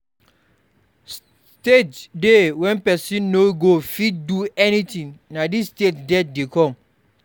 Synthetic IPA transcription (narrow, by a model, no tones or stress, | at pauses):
s | stetdewɛ̃npɛsĩnːoɡofid̚duɛnitĩŋnadisːtetdɛt̚dekɔ̃m